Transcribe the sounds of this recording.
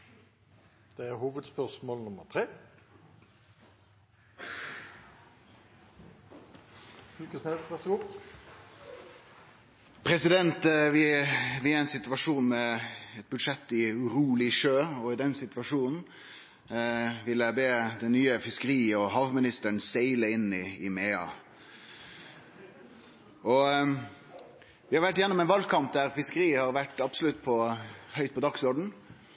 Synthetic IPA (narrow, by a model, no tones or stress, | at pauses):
d̪̥ɛæɾhuːʋəd̪spœʁʂmoːlnʊmət̪ʰɾeː | ʉkəsnɛsʋɛsʊ | pʰɾɛsɪd̪ɛnt̪ʋɪʋɪæɪnsɪt̪ʉʋɑʂuːnmɛɛt̪̚bʉd̪ʂɛt̪ːɪʉɾuːlɪʂøːɔɪd̪ɛnsɪt̪ʋɑʂuːnn̩ | ʋɪləbeːd̪ɛnːyːəfɪskəɾiːɔɦɑʋmɪnɪst̪əɳsæɪləɪnːɪɪmeːɑ̰ | ɔ | ʋɪhɑɾʋæʈːjɛnːɔmɛnʋɑlkʰɑmp̚d̪æɾfɪskəɾiːhɑɾʋæʈːɑbsəlʉt̪ːpʰɔhœʏt̪̚pɔd̪ɑksɔɾɖɳ̩